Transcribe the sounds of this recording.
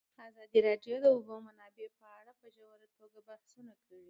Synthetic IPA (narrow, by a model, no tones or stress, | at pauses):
ɑzɑd̪iɾɑɖjod̪əʊbomanɑbepəaɽapəʒawaɾat̪oɡabahsunakawi